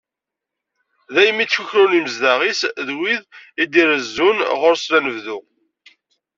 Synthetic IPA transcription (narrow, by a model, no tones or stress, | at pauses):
ðæjəmːit͡sːfuçɾuniməzðæʁisðwiðid̪iɾəzːunʁʊɾslænəvðu